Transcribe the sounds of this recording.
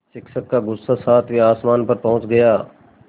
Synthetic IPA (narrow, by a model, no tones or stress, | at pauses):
sɪkʃəkːaɡʊsasaːt̪ʰʋiaːsmaːnpɐɾpɐɦʊ̃t͡ʃɡəjaː